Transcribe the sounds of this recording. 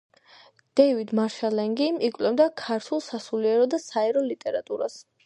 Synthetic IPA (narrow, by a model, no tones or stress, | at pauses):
d̪̥ɛvid̪maɾʃalɛŋɡimikʼlɛmd̪akʰaɾt̪ʰulˠsasuliɛɾɔd̪asaɛɾɔlit̪ʼɛɾat̪ʼuɾas